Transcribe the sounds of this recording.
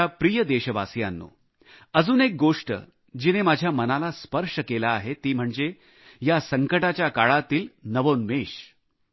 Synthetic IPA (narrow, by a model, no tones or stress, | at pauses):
apɾijəd̪eɕəʋa̰sja̰nːṵː | əd͡zuːnek̚ɡoʂʈə̰ | d͡ʑiːnemad͡ʑʱjamənalaspəɾʂəkelaːɦet̪iːm̤əɳd͡ze | jasəŋkəʈat͡ɕjakaɭat̪iːlnəʋonmeɕ